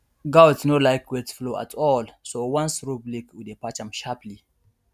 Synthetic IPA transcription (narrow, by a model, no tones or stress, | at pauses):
ɡawtsnolajkʰwɛtʰfloʔa̰tʰɔlsowãnsɹublikwidepat͡ʃãmʃapli